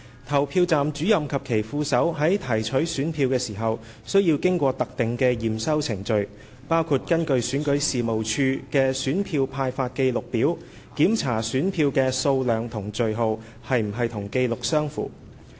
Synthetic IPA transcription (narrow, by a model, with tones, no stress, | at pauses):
t̪ʰɐ˨˩wpʰiː˧wt͡saː˨mt͡ʃyː˨˥jɐ˨mkʰɐ˨p̚kʰe˨˩jfuː˧sɐ˨˥wɦɐ˨˥jt̪ʰɐ˨˩jt͡ʃʰɵ˨˥ɥsyː˨˥npʰiː˧wkɛː˧siː˨˩ɦɐ˨w | sɵ˥ɥjiː˧wkɪ˥ŋkʷɔː˧t̪ɐ˨k̚t̪ɪ˨ŋkɛː˧jiː˨msɐ˥wt͡sʰɪ˨˩ŋt͡ʃɵ˨˧ɥ | paː˥wkʰuː˨˧t̚kɐ˥nkɵ˧ɥsyː˨˥nkɵ˨˥ɥsiː˨mo˨wt͡ʃʰyː˧kɛː˧syː˨˥npʰiː˧wpʰaː˧jfaː˧t̚ke˧jlʊ˨k̚piː˨˥w | kiː˨˥mt͡sʰaː˨˩syː˨˥npʰiː˧wkɛː˧so˧wlœː˨ŋt̪ʰʊ˨˩ŋt͡ʃɵ˨ɥɦo˨˧w | hɐ˨jm̩˨˩ɦɐ˨jt̪ʰʊ˨˩ŋke˧jlʊ˨k̚sœː˥ŋfṵː˨˩